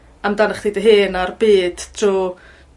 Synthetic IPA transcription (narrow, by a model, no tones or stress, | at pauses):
amdanəχd̥idəɦɨːnarbiːd̥tʰruː